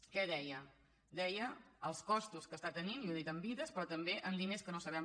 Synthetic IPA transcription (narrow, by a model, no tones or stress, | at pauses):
kɛðɛjə | d̪ɛjəəlˠskɔst̪uskəst̪at̪ənimjoðit̪əmbiðəspɾɔt̪əmbeʔənlineskənosəβɛm